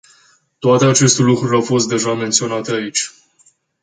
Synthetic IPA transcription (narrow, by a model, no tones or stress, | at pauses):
t̪oat̪e̞at͡ʃe̞st̪elukɾulʲawfo̞st̪̚d̪e̞ʒame̞nt̪sio̞nat̪eait͡ʃʲ